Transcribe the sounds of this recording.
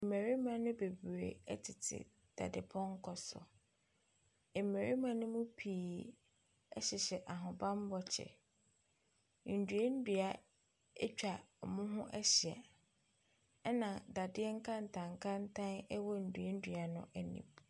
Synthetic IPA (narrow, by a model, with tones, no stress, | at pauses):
me˨ɾi˦mã˨nʊ̃˦be˨bɾḛ˨ɛ̰˦tʰɪ˨tʰɪ̰˨ | d̥a̰˨dɪ˨pʰɔ̃˦ŋ̩˦kʰɔ˨sɔ̰˨ | ɛ˨me˨ɾi˦mã˦nʊ̃˦mʊ̃˦pʰiː˨ | ɛ˦ɕɪ˨ɕɛ˨ʔa˨ɦʊ̃˨bã˦m˦bɔ˦t͡ɕʰɛ̰˨ | n̩˨du˨e˦n̩˦dɥa˦ | ɛ˦t͡ɕᶣa˨mʊ̃˦ɦʊ̃˦ʔɛ˦ɕɪ˨a̰˨˦ | nã˨da˨dɪ˦ɛ˦ŋ̩˦kʰã˦n̩˨tʰã˨ŋ˨kʰã˦n˦tʰã˦nɛ˦wɔ˦n̩˨du˨e˦n̩˦dɥa˨nʊ̰̃˦ʔɛ˨nḭ̃˨m